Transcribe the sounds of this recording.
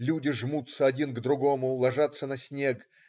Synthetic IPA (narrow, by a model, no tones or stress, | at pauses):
lʲudʲɪʐmut̪səɐdʲinɡd̪ɾʊɡomʊlˠɐʐat̪sənɐsʲnʲe̞k